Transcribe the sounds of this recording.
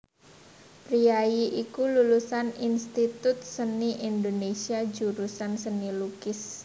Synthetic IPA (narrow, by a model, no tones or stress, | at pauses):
pɾiajiʔikululusaninst̪it̪ʊt̪̚səniʔind̪onesiad͡ʒuɾusansənilukɪs